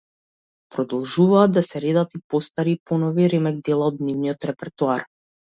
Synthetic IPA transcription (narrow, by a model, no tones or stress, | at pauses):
pɾɔd̪ɔlˠʒuvaːd̪d̪ːasɛɾed̪at̪ipɔst̪aɾipɔnɔviɾɛmɛɡ̚d̪ɛlˠaɔd̪nivniɔt̪ɾɛpɛɾt̪uar